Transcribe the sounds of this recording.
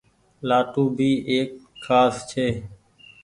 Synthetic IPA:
laːʈuːbʱiːʔeːkʰːaːst͡ʃʰeː

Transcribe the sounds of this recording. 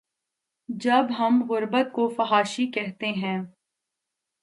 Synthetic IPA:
d͡ʒɐbɦɐmɣʊɾbət̪̚kofɐɦaːʃikɛɦt̪eɦɛ̃ː

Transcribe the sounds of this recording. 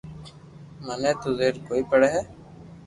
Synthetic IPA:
mənɛːt̪uːzeːɾkoːiːpəɽɛːɦɛː

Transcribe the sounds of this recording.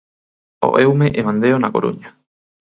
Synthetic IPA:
o̰ʔewmeʔemãnd̪eonakoɾṵɲa

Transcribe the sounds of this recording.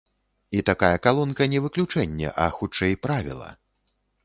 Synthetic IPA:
it̪akajɐkalˠɔnkɐnʲɛvɨklʲut͡ʂɛnʲːɛ̰ʔɐxut͡ʂɛjpɾavʲḭlˠɐ̰

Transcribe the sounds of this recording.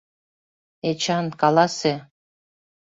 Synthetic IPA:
et͡ɕɑnkɑlˠɑse

